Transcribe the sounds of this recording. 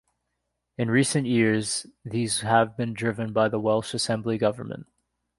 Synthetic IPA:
ɨ̃nɹisɨ̃nʔjɪɹzðizəvbɨ̃ndɹɪvɨ̃nbaɪðəwɛlˠʃɨsɛ̃mbliɡʌvə̰˞mə̰̃nt̚

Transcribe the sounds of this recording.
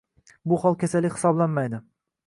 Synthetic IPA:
bʊhɒlˠkʲʰasalːɪkʲhɪ̥sɒblanmajd̪ɪ

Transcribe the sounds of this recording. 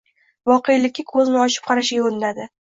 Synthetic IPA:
vɒqʰejlɪkʲːakʰɵznɪɒʃɪ̥p̚qʰɑɾaʃajoɾnd̪ad̪ɪ

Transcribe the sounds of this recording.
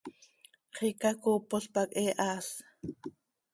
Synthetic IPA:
χikakuːpoɬpakʼʔeːʔaːs

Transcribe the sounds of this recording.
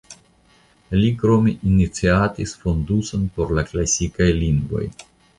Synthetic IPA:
likɾo̞meʔinit͡siatisfo̞nduso̞npo̞ɾlaklasikajliŋɡvo̞̰j

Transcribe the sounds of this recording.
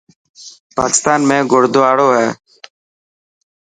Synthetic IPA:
paːkɪst̪aːnmẽːɡoɽd̪oːaːɽoːɦɛː

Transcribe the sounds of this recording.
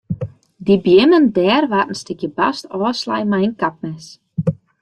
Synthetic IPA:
dibjɪməndɛːrʋatən̩stɪkjəba̰stɔːsla̰jmajənkap̚mɛs

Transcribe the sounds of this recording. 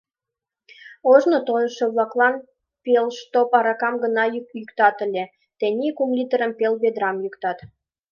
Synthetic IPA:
oʒnot̪ojʃŏβlɑklɑn | pelʃt̪opɑɾɑkɑmɡə̆nɑjykt̪ɑt̪ə̆lʲe | t̪enʲikumlʲit̪əɾə̆mpelbed̪ɾɑmjykt̪ɑt̪

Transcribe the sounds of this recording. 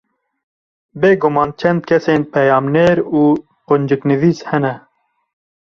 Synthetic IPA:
beːɡumɑːnt͡ʃʰɛnd̪̚kʰɛseːnpʰɛjɑːmneːɾuː | qʊnd͡ʒɨknɨviːshɛnɛ

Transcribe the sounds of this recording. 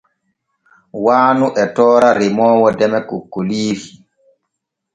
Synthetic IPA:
waːnuʔɛtɔːɾaɾemɔːwɔdɛmɛkokːoliːɾi

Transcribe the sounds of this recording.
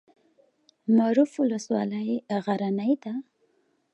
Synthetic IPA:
maɾufʊlaswɑ̰lajɣaɾanajt̪a

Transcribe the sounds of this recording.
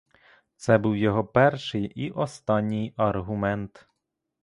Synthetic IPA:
t̪sɛbuwjɔɦɔpɛrʃɪjʔiʔɔst̪ɑnʲːijɐrɦʊmɛnt̪

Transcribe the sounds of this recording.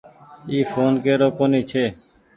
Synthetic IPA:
iːfʰoːnkeːɾoːkoːniːt͡ʃʰeː

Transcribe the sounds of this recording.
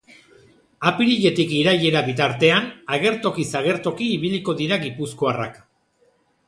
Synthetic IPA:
apiɾiʎe̞t̪ikiɾaje̞ɾaβit̪aɾt̪e̞anaɣe̞ɾt̪o̞kisaɣ̞e̞ɾt̪o̞kiːβ̞iliko̞ðiɾaɣipusko̞ara̰k

